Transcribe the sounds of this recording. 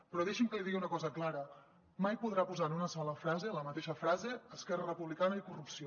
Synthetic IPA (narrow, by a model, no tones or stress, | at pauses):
pɾɔðeʃimkəliðiɣiunəkɔzəklaɾə | majpuðɾapuzanunəsɔləfɾazeləmət̪eʃəfɾazeəskɛrərəpuβlikanəikurupsio